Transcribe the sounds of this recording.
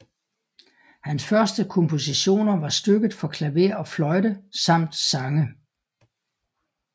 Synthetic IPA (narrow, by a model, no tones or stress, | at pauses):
hænsfɶɐsd̥əkʰɔ̽mpʰo̝siɕo̝̰ːnɐʋɑ̈sd̥øɡ̥ð̩ˠfɒ̽kʰlæʋe̝ɐ̰ɒ̽flɒ̽ɪɾəsɑ̈m̰d̥sɑ̈ŋə